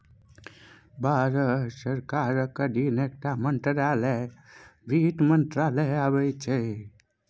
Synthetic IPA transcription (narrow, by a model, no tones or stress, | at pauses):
bʱaːɾəsəɾkaːɾkəɖinek̚ʈamənʈ̪ɾaːle | ʋʱiːʈmənʈ̪ɾaːleabəjt͡ʃʰe